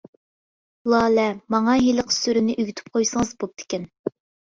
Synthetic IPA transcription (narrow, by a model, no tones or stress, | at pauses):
lˠɑːlɛmɑŋɑɦiləqʰsyɾynɪʔyɡʲyt̪ʰy̥p̚qʰojsəŋəzbop̚t̪ʰɪ̥kʲɛn